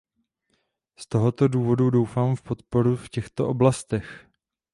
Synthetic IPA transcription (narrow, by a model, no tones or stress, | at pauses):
st̪o̞ɦo̞t̪o̞duːvo̞dudowfaːmfpo̞t̪po̞ɾufcɛxt̪o̞ʔoblast̪ɛx